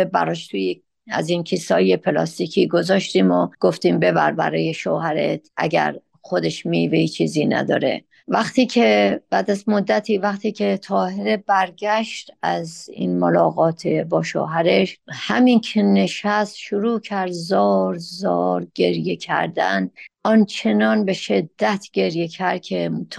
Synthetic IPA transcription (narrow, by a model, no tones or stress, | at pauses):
ebæ̰ɾɒːʃt̪ʰuje | æ̰zinkʰisɒːjepʰelɒ̰ːst̪ikʰiːɡozɒːʃt̪iːmoɡ̥oft̪iːmbe̞bæɾbæ̰ɾɒːjeʃohæɾḛt̪ʰʔæ̰ɟæ̰ɾ | xo̞d̪e̞ʃmiveiːt͡ʃʰːiːziːnæ̰d̪ɒ̰ːɾe̞̰ | væχt̪ʰiːcʰeb̥æːd̪æzmod̪ːæt̪ʰiːvæxt̪ʰiːcʰe̞t̪ʰɒːheɾe̞bæɾɡæʃt̪æzḭnmolɒːɣɒːt̪ʰebɒːʃo̰ːɦæɾeʃhæmiːncʰene̞ʃæst̪ʃoɾuːcʰæɾd̪zɒːɾzɒːɾɟe̞ɾje̞cʰæ̰ɾd̪æ̰nɒnt͡ʃʰe̞nɒːnbeʃe̞d̪ːæt̪ʰɟ̥e̞ɾje̞cʰæɾd̪̚cʰe̞t̪ʰ